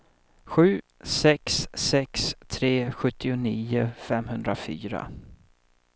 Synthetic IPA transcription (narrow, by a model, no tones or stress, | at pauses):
ɧʉ̟ː | sɛksɛkst̪ʰɾeːɧɵt̪ːɪʊniːʊfɛmhɵnd̪ɾafy̰ːɾa̰